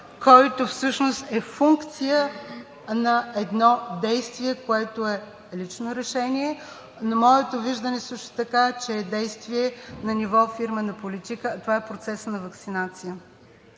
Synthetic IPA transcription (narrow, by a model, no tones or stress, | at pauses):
kɔjt̪ofsɤʃnost̪ɛfuŋkt̪sijə | nɐɛd̪nɔd̪ɛjst̪viɛkoɛt̪oɛ | lit͡ʃnoɾɛʃɛniɛ | nɐmɔɛt̪oviʒd̪ənɛsɤʃt̪o̥t̪ɐkat͡ʃɛːd̪ɛjst̪viɛnɐnivɔfiɾmənɐpolit̪ikət̪ovaɛpɾot̪sɛsnɐvəksinat̪sijə